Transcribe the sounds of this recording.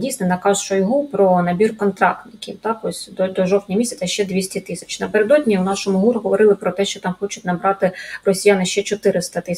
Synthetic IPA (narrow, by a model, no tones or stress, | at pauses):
dʲijsʲnɛnɐkɑzt͡ʃɔjɦupɾɔnɐbʲirkɔnt̪ɾɑ̰k̚t̪nɪkʲiwt̪ɑkɔsʲd̪ɔd̪ɔʒɔwtʲnʲimʲisʲɛt̪ɐʃt͡ʃɛd̪ʲʋʲisʲtʲit̪ɪsʲɐ̥t͡ʃnɐpeɾed̪ɔdʲnʲiwnɑʃɔmʊɦuɾɦɔʋɔɾɪlˠɪpɾɔt̪ɛʃt͡ʃɔt̪ɑmxɔt͡ʃʊtʲnɐbɾɑt̪ɪrɔsʲijanɪʃt͡ʃɛt͡ʃɔt̪ɪɾɪst̪ɐt̪ɪ